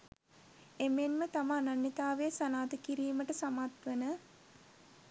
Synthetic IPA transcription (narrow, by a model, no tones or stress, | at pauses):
emenmət̪aməːnɐnːit̪aːʋejəsɐnaːt̪əkiɾiːməʈəsamat̪ʋənə